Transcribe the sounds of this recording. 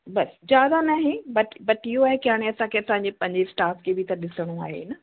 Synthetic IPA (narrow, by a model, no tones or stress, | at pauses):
bɐsd͡ʑjaːd̪anaɦẽbɐʈbɐʈiɦoaːɦekɪaːɽ̃ẽɐsãkʰeɐsãːɲ̆d͡ʑepɐ̃ɦɪ̃ɲd͡ʑesʈaːfkebɪt̪ɐɗɪsəɽ̃ua̰ːɦḛnɐ